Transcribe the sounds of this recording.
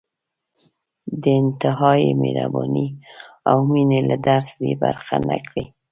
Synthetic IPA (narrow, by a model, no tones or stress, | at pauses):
d̪əɪnt̪ɪɦɑjimeɾabɑniawminelad̪aɾsbebaɾxanakɽi